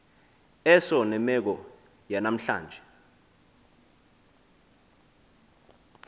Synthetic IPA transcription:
ɛsɔnɛmɛk̬ɔ | janam̩ɬa̰ːnd͡ʒʱɛ

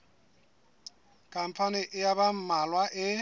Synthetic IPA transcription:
kʼam̩pʰanɪʔɪjabam̩malwaʔɪ

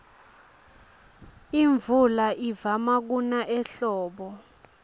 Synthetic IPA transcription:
iɱvulaʔivamak̬unaʔɛɬɔːɓɔ

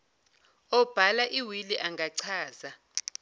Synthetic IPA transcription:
ɔb̥ʱalaʔiwiliʔaŋɡʱaǀʰaːza

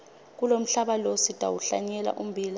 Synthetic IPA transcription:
k̬ulom̩ɬaɓalositʼa̰wuɬa̰ɲɛla̰ʔum̩bʱiːla

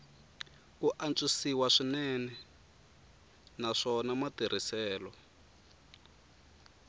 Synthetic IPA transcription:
kuʔant͡ʃisiwaʂinɛnɛ | naʂɔnamatir̤isɛːlɔ

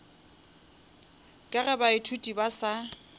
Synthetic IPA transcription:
kʼɪɣɛbaɪtʰutʼibasa

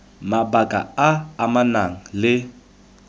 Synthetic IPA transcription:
mabakʼa̰aːmanaŋ̩lɪ

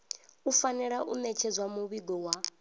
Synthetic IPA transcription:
ufanɛɺaʔṵmɛt͡ʃʰɛd͡zwamuβiɡɔwa

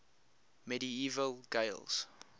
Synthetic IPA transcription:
mɛɾiiːvəlɡeɪlz̥

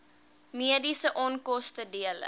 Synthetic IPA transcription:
miədisəʔɔnkɔstədiələ̰

